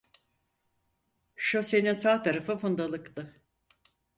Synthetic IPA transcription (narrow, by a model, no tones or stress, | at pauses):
ʃose̞ninsaːt̪ʰaɾafɯfund̪alˠɯkt̪ɯ